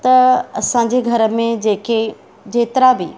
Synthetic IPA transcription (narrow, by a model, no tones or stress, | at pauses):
t̪ɐɐsãɲ̆d͡ʑeɡʱɐɾə̆mẽd͡ʑeːke | d͡ʑeːt̪ɪɾabɪ